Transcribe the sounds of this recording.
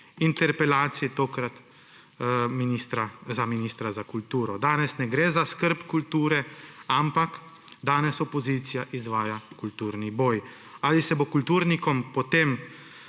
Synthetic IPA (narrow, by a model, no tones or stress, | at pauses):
int̪ɛɾpɛlaːt̪siit̪oːkɾat̪ | minist̪ɾazaminist̪ɾazakult̪uːɾɔd̪aːnɛsnɛɡɾɛzaskəɾpkult̪uːɾɛampak | d̪aːnɛsɔpɔziːt̪sijaʔizʋaːjakult̪uːɾniboːj | alisɛbokult̪uːɾnikɔmpɔt̪em